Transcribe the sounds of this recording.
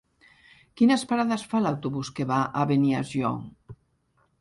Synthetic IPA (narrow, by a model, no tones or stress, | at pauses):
kinəspaɾaðəsfalawt̪uβuskeβaʔaβenia̰ziɔ̰ŋ